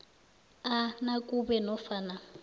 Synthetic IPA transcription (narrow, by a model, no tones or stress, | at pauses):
anakʼubɛnɔfaːna